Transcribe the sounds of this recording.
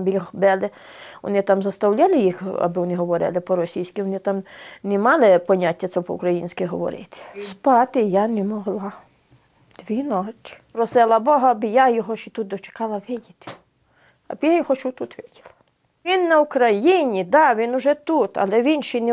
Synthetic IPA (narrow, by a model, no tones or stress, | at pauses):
bixbɛlˠɪ | ʋɔ̰nɪt̪ɑmzɐst̪ɐwlʲalˠɪjixɐ̰bɪʋɔnɪɦɔʋɔɾɪ̰lˠɪpɔɾɔsʲijsʲkʲɪʋɔnɪt̪ɑmnɛmɑlˠɪpɔnʲatʲːɐt̪sɛpɔ̰ṵkɾɐjinʲsʲkɪɦɔʋɔ̰ɾɪ̰t̪ɪ̥spɑt̪ɪjanɛmɔɦlˠɑ | d̪̥ʋʲinɔt͡ʃʲpɾɔsɪlˠɐbɔɦɔɐbɪjajɔɦɔʃit̪ut̪̚d̪ɔt͡ʃe̥kɑlˠɐʋɪjʲit̪ɪ̥ | ɐ̰bjajɔhɔʃut̪ut̪ʋɪdʲɪlˠɐ̥ | ʋʲinːɐʊkɾɐjinʲid̪ɑʋʲinʊʒɛt̪ut̪ɐ̰lˠɛʋʲinʃinɛ